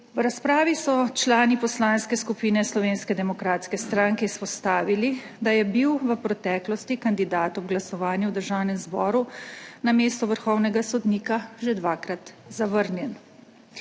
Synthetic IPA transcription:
wɾaspɾaːʋisɔt͡ʃlaːnipɔslaːnskɛskupiːnɛslɔʋeːnskɛd̪ɛmɔkɾaːt̪skɛst̪ɾaːŋkɛispɔst̪aːʋili | d̪ajɛbiwʋəpɾɛt̪ɛːklɔst̪ikand̪id̪aːt̪ɔbɡlasɔʋaːnjɛwd̪əɾʒawnɛmzbɔːɾunameːst̪ɔʋəɾxɔwnɛɡasɔd̪niːkaʒɛd̪ʋaːkɾat̪zaʋəɾnjɛn

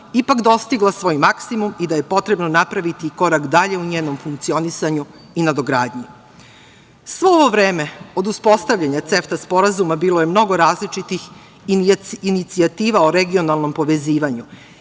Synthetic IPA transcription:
ipakd̪o̞st̪iɡlˠasʋo̞ːjmaksimumid̪aje̞po̞t̪ɾe̞bnonapɾaʋit̪iko̞ɾakd̪aʎe̞uɲeːno̞mfuŋkt̪sio̞nisaɲu | inad̪oɡɾaːd̪ɲi | sʋo̞oʋo̞ʋɾe̞ːme̞o̞d̪uspo̞st̪aʋʎaɲat̪se̞ft̪aspo̞ɾazumabiːlˠoje̞mno̞ɡo̞ɾaːzlit͡ʃit̪ix | init̪siat̪iːʋaoɾeɡio̞nalˠno̞mpo̞ʋe̞ziːʋaɲu

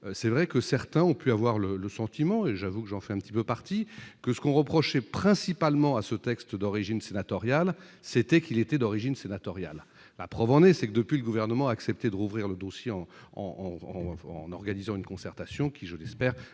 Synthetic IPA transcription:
sɛvʁɛkəsɛʁt̪ɛ̃ɔ̃pyavwaʁlələsɑ̃t̪imɑ̃eʒavukəʒɑ̃fɛɛ̃pt̪ipøpaʁt̪ikəsə̥kɔ̃ʁəpχɔʃɛpχɛ̃sipalmɑ̃asət̪ɛkst̪d̪ɔʁiʒinsenat̪ɔʁjalsɛt̪ɛkilet̪ɛd̪ɔʁiʒinsenat̪ɔʁja̰lː | a̰pχœvɑ̃nɛsɛkəd̪əpɥiləɡuvɛʁnəmɑ̃aːksɛp̚t̪ed̪əʁuvʁiʁləd̪osjeɑ̃ | ɑ̰̃ɑ̰̃ | nɔʁɡanizɑ̃ynkɔ̃sɛʁt̪asjɔ̃kʲʰiʒəlɛspɛːʁ

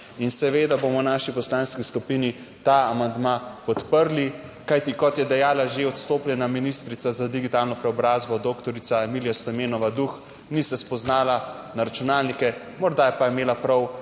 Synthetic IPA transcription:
insɛʋeːd̪aboːmɔwnaːʃipɔslanskiskupini | t̪aamand̪mapɔt̪pəɾli | kajt̪ikɔt̪jɛd̪ɛjaːlaʒeɔt̪st̪oːpljɛnaminist̪ɾit̪sazad̪iɡit̪aːlnɔpɾɛɔbɾaːzbɔd̪okt̪ɔɾit̪saɛmiljast̪ɔmeːnɔʋad̪ux | nisɛspɔznaːla | naɾat͡ʃunaːlnikɛ | mɔɾd̪ajɛpajɛmeːlapɾɔw

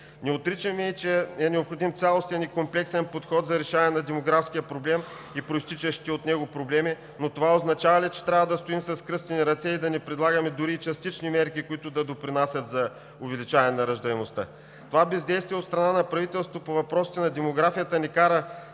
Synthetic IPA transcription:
nɛot̪ɾit͡ʃɐmɛt͡ʃɛɛnɛopxod̪imt̪sʲalˠost̪ɛnikomplɛksɛnpot̪xɔt̪zɐɾɛʃaɐnɛnɐd̪ɛmoɡɾafskʲijəpɾoblɛm | ipɾoist̪it͡ʃɐʃt̪iot̪nɛɡopɾoblɛmi | not̪ovaoznɐt͡ʃavɐlʲit͡ʃɛ̥t̪ɾʲavɐd̪ɐst̪oimsɐskɾɤst̪ɛniɾɐt̪sɛid̪ɐnɛpɾɛd̪lˠaɡəmɛd̪ʊɾiːt͡ʃɐst̪it͡ʃnimɛɾkikoit̪ʊd̪ɐd̪opɾinasʲɐt̪zɐ | ʊvɛlit͡ʃavɐnɛnɐɾɐʒd̪ɐɛmost̪a̰ | t̪ovabɛzd̪ɛjst̪viəot̪st̪ɾɐnanɐpɾɐvit̪ɛlˠst̪vopovɐpɾɔsi̥t̪ɛnɐd̪ɛmoɡɾafijət̪ənɛkaɾə

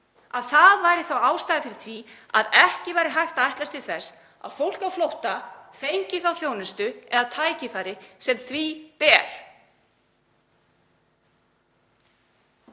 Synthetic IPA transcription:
aðθaðvaːjɾɪθawaːwst̪ajðɪfɪɾɪɾ̥θʰvia̰ðɛhcɪvajɾɪɦajht̪aajht̪last̪ɪ̥θɛs | a̰ðfowl̥kawflowht̪afejɲcɪθawθjownɪst̪ʏɛðat̪ʰaːjcɪθajɾɪsɛmθvipɛːɾ̥

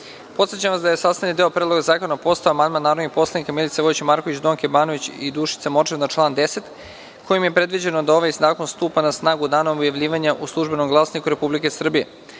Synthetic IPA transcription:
po̞t̪sjet͡ɕamʋasd̪ajesast̪anid̪eopɾed̪lo̞ɡazaːkonapo̞st̪aoamand̪manːaːɾod̪nixpo̞slˠanikamilit̪seʋo̞jit͡ɕemaɾko̞ʋit͡ɕd̪o̞ːŋkebaːno̞ʋit͡ɕid̪uːʃi̥t̪semo̞ɾt͡ʃeʋnat͡ʃlˠaːnd̪e̞se̞t̪ | kojimje̞pɾe̞d̪ʋid͡ʑe̞no̞d̪ao̞ʋajsnaːko̞nst̪uːpanasnaːɡud̪aːnoobjaʋʎiːʋaɲaʔuslˠuʒbeno̞mɡlˠaːsnikuɾe̞publike̞sr̩bije

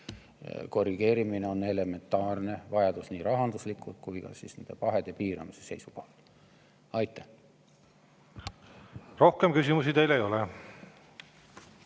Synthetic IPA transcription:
ko̞riɡ̥e̞ːɾimine̞o̞ne̞le̞me̞nt̪ːˑɑːrne̞vɑjɑd̪̥usniːɾɑɦɑnd̪uslikːˑut̪̚kujkɑ̰sisne̞nd̪̥e̞pɑɦe̞d̪̥e̞piːɾɑ̰mise̞̥se̞jsupo̞̰lt̪ | ɑjt̪ːˑæh | ro̞hkemkys̬ʲimusid̪e̞jlejo̞le

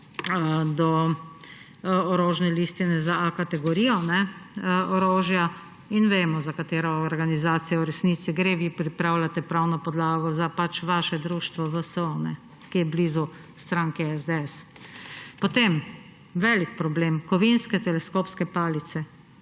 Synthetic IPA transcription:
d̪ɔ | ɔɾoːʒnɛliːst̪inɛzaakat̪ɛɡɔɾiːjɔnɛ | ɔɾoːʒja | inʋeːmɔzakat̪eːɾɔːɾɡanizaːt̪sijɛwɾɛsnit̪siɡɾeːʋiːpɾipɾawlʲat̪ɛpɾawnɔpɔd̪laːɡɔzapat͡ʃʋaʃɛd̪ɾuʃt̪ʋɔʋəsonɛ̰ | kijɛbliːzu | st̪ɾaːŋkɛɛzd̪eɛs | pɔt̪em | ʋɛːlikpɾɔbleːmkɔʋinskɛt̪ɛlɛskoːpskɛpaːlit̪sɛ

